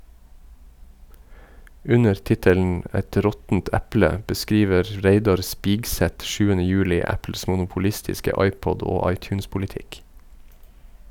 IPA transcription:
ˈʉnəɾ ˈtɪtəln̩ ˈɛt ˈɾɔtn̩t ˈæplə ə bəˈskiːʋəɾ ˈɾeɪdɑɾ ˈspiːɡˌsɛt ˈʃʉːənə ˈjʉːlɪ ˈæpl̩s mʊnʊpʊˈlɪstɪskə ˈɑɪˌpɔd ˈoː ˈɑɪˌtjʉːnspʊlɪˌtɪk

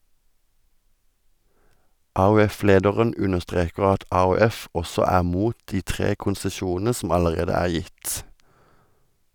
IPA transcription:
ˌʔɑːʉˈɛˌfleːdəʁən ˈʉnəʁˌstʁeːkəʁ ˈɑt ˌʔɑːʉˈɛf ˈʔɔsɔ ˈæːʁ ˈmuːt ˈtiː ˈtʁeː kʊnsəˈʃuːnn̩ə ˈsɔm ˌɑləˈʁeːdə ˈæːʁ ˈjɪt

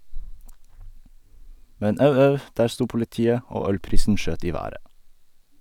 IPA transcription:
ˈmɛɲ ˈɑʉ ˈɑʉ ˈdæːɾ ˈstuː pʊlɪˈtiːə ˈoː ˈœlˌpɾiːsn̩ ˈʃøːt ˈiː ˈʋæːɾə

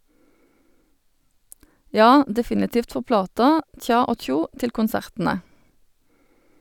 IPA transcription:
ˈjɑː dɛˈfɪnɪtiːft ˈfɔʁ ˈplɑːtɑ ˈc͡çɑː ˈoː ˈc͡çuː ˈtɪl kʊnˈsæʁtn̩ə

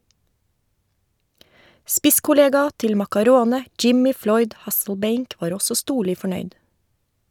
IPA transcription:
ˈspɪskʊˌleːɡɑ ˈtɪl mɑkɑˈɾoːnə ˈd͡ʒɪmɪ ˈflɔʏd ˈhɑsl̩ˌbeɪŋk ˈʋɑːɾ ˈɔsɔ ˈstuːɭɪ fɔˈɳœʏd

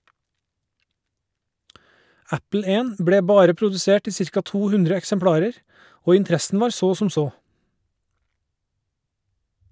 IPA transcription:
ˈæpl̩ ˈeːn ˈbɽeː ˈbɑːɾə pɾʊdʉˈseːʈ ˈiː ˈsɪɾkɑ ˈtuː ˈhʉndɾə ɛksəmˈpɽɑːɾəɾ ˈoː ɪnˈtɾæsn̩ ˈʋɑːɾ ˈsoː sm̩ ˈsoː

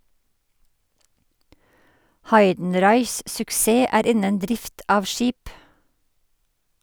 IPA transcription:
ˈhɑɪdn̩ˌɾɑɪs sʊkˈseː ˈæːɾ ˈɪnən ˈdɾɪft ˈɑːʋ ˈʃiːp

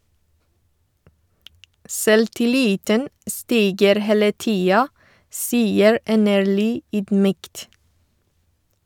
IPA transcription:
sɛltɪˈliːtən ə ˈstiːɡəɾ ˈheːlə ˈtiːɑ ˈsiːəɹ ˈʔɛnəɹɭyː ˈyːdˌmyːkt

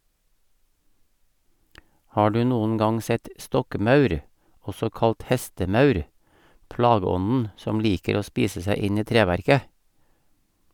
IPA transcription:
ˈhɑː ˈɖʉː ˈnuːn̩ ˈɡɑŋ ˈsɛt ˈstɔkˌmɑʉɾ ˈɔsɔ ˈkɑlt ˈhɛstəˌmɑʉɾ ˈplɑːɡəˌɔnn̩ ˈsɔm ˈliːkəɾ ˈoː ˈspiːsə ˈsæɪ ˈɪn ˈiː ˈtɾeːʋæɾkə

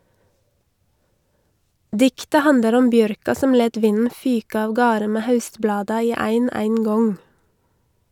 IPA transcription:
ˈdɪktə ˈhɑndəɾ ˈɔm ˈbjœɾkɑ ˈsɔm ˈleːt ˈʋɪnn̩ ˈfyːk ɑːʋˈɡɑːɾə ˈmeː ˈhɑʉstˌblɑːdɑ ˈiː ˈæɪn ˈæɪŋˌɡɔŋ

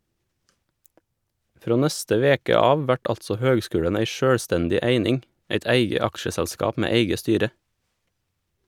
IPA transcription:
ˈfɾoː ˈnɛstə ˈʋeːkə ˈɑːʋ ˈʋæʈ ˈɑltsɔ ˈhøːɡˌskʉːɽən ˈæɪ ˈʃøːɽˌstɛndɪ ˈæɪnɪŋ ˈæɪt ˈæɪɡə ˈɑkʃəsɛʎˌskɑːp ˈmeː ˈæɪɡə ˈstyːɾə

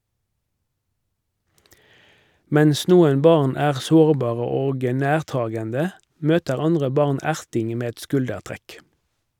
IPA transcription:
ˈmɛns ˈnuːən ˈbɑʁn ˈæːʁ ˈsoːʁˌbɑːʁə ˈoːɡ ə ˈnæːʁˌtɑːɡəndə ˈmøːtəʁ ˈɑndʁə ˈbɑʁn ˈæʁtɪŋ ˈmeː ˈɛt ˈskʉldəʁˌtʁɛk

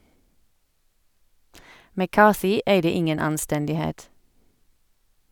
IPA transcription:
mæˈkɑːθɪ ˈeɪdə ˈɪŋən ɑnˈstɛndɪˌheːt

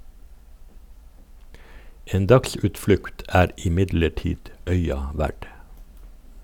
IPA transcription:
ˈeːn ˈdɑksʉːtˌflʉkt ˈæːɾ ɪˈmɪdləˌʈiːd ˈœʏɑ ˈʋæɖ

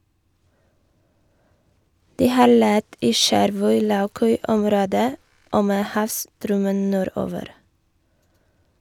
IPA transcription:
ˈdiː ˈhɑːɾ ˈlɛt ˈiː ˈʃæɾʋœʏ ˈlɑʉˌkœʏ ˈɔmɾoːdə ˈoː ˈmeː ˈhɑːʋstɾœmən ˈnuːˌɾoːʋəɾ

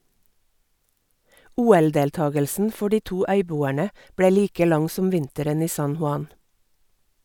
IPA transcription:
ˈuːɛlˌdeːlˌtɑːɡəlsn̩ ˈfɔ ˈɖiː ˈtuː ˈœʏˌbuːæɳə ˈbɽeː ˈliːkə ˈlɑŋ ˈsɔm ˈʋɪntəɾən ˈiː ˈsɑn hʊˈɑn

